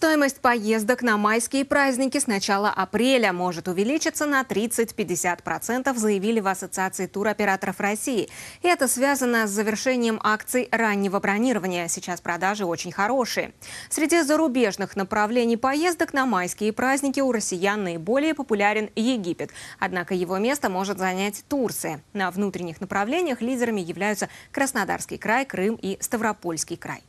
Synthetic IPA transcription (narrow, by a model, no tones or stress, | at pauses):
st̪o̞jɪməsʲtʲpɐje̞zd̪əknɐmajskʲɪjəpɾazʲnʲɪkʲɪsnɐt͡ɕalˠə̰ʔɐpɾʲelʲəmo̞ʐɨt̪ʊvʲɪlʲit͡ɕɪt̪sənɐt̪ɾʲit̪sɨt̚ʲpʲɪdʲːɪsʲat̪pɾɐt̪sɛnt̪əfzəjɪvʲilʲɪvɐsət̪sɨat̪sɨɪt̪uɾɐpʲɪɾat̪əɾəfrɐsʲiɪɪɛt̪əsvʲazənəszəvʲɪrʂɛnʲɪjəmʔakt̪sɨjranʲːɪvəbɾɐnʲiɾəvənʲɪjəsʲɪt͡ɕaspɾɐd̪aʐɨo̞t͡ɕɪnʲxɐɾo̞ʂɨjə̰sʲɾʲɪdʲizəɾʊbʲe̞ʐnɨxnəpɾɐvlʲenʲɪjpɐjezd̪əknɐmajskʲɪəpɾazʲnʲɪkʲɪʊɾəsʲɪjanːəɪbo̞lʲɪjəpəpʊlʲæɾʲɪnjɪɡʲipʲɪt̪ɐ̰d̪nakəjɪvo̞mʲe̞st̪əmo̞ʐɨt̪zɐnʲætʲt̪urt̪sɨjənəvnut̪ɾʲɪnʲːɪxnəpɾɐvlʲenʲɪjəxlʲidʲɪɾəmʲɪjɪvlʲæjʊt̪səkɾəsnad̪a̰rskʲɪjkɾajkɾɨmist̪əvɾɐpo̞lʲskʲɪjkɾa̰j